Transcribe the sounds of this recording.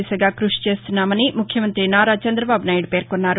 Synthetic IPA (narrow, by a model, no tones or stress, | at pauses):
isɐɡaːkɾuʂi̥t͡ʃe̞ːst̪unːaːmɐnimukʰjɐmɐnt̪ɾinaːɾaːt͡ʃɐnd̪ɾɐbaːbunaːjiɽupe̞ːɾkonːaːɾu